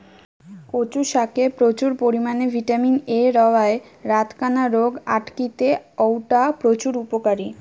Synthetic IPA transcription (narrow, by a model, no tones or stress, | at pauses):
kot͡ɕuʃakepɾot͡ɕuɾpoɾimanebʱiʈamineɾɔoae | ɾat̪kanaɾoɡaʈkit̪eɔwʈapɾot͡ɕuɾupokaɾi